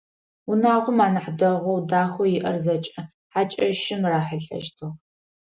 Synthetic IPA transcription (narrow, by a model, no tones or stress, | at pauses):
ʊnaːʁʷʊmaːnɨħdɐʁʷɔwdaːxʷɔjɪʔɐrzɐt͡ʃʼɐ | ħaːt͡ʃʼɐʃɪmraːħəɬɐ̰ʃtʰɨʁ